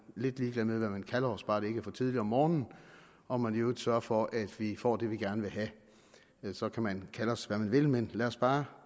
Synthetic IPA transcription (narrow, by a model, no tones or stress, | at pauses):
le̝d̥liːɡ̥lɛðˠmeðˠʋæmænkʰælɐɒ̽sb̥ɑ̈ːɾ̥ee̝ɡ̥əfɒ̽t͡sʰið̞ˠliɐɒmːɒːnn̩ | ɒ̽mænjod̥sɶɐfɒ̽ʔæd̥ʋifɒ̰ːd̥e̝ʋiɡ̥æɐnəʋe̝ɦæ | sɒ̽kʰæmænkʰæləɒ̽sʋæmænʋe̝lmenlæɒsb̥ɑ̈ː